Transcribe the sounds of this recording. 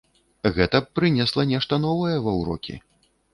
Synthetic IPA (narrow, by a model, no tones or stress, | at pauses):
ɣɛt̪ɐpɾɨnʲɛslˠɐnʲɛʂt̪ɐnɔvɐjɛvɐwɾɔ̰kʲḭ